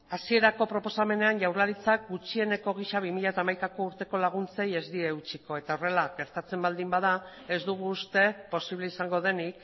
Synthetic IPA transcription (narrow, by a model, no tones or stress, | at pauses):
asie̞ɾako̞pɾo̞po̞same̞ne̞anʝawɾlaɾit͡sak̚ɡut͡ʃie̞ne̞ko̞ɣ̞iʃaβimiʎat̪amajkako̞uɾt̪e̞ko̞laɣ̞unt͡se̞je̞zd̪ieut͡ʃiko̞e̞t̪ao̞re̞laɣe̞ɾt̪at͡se̞mbald̪imbað̞a | e̞zd̪uɣ̞uːst̪e̞po̞siβle̞isaŋɡo̞ðe̞nik